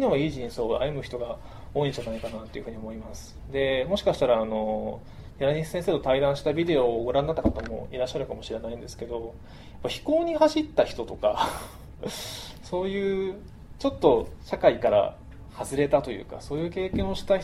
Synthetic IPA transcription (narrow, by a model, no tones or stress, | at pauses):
inoβaiːʑĩɰ̃so̞ːa̰jɯ̟mɯ̟çi̥t̪oɡa | o̞ːĩɲd͡ʑanaikanat̪ːe̞jiɯ̟ɸɯ̟ɲ̟io̞mo̞imasɨ̥ | d̪e̞mo̞ɕi̥kaɕi̥t̪aɾaːno̞ | jʲaɾaɲ̟isɨ̥sẽs̬e̞ːt̪o̞t̪aid̪ãɰ̃ɕi̥t̪abʲid̪e̞o̞ɡoɾãnːat̪ːakat̪amo̞̰iɾaɕːaɾɯ̟kamo̞ɕiɾe̞naĩnd̪e̞sɨ̥ke̞d̪o̞ | japːaçi̥ko̞ːɲ̟ihaɕit̪ːaçʲi̥t̪o̞t̪o̞ka | so̞ːjɯ̟ː | t͡ɕo̞t̪ːo̞ɕakaikaɾa̰ | hazɨɾe̞t̪at̪o̞jɯ̰ːka̰so̞ːjɯ̟ːke̞ːkẽɰ̃oɕi̥t̪aç